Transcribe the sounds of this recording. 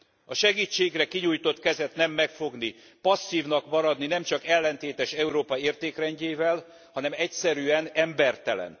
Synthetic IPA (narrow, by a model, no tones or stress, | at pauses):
ɒʃɛɡiːt͡ʃːeːɡrɛkiɲuːjt̪o̞t̪kɛzɛt̪nɛmːɛkfo̞ɡni | pɒsːiːvnɒkmɒɾɒd̪ninɛmt͡ʃɒkɛlːɛnt̪eːt̪ɛʃɛuɾoːpɒeːrt̪eːkrɛɲɟeːvɛl | hɒnɛmɛcsɛɾyɛnɛmbɛrt̪ɛlɛ̰n